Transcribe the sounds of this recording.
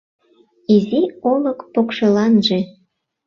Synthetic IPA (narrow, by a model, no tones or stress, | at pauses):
iziolɤkpokʃelɑnʒe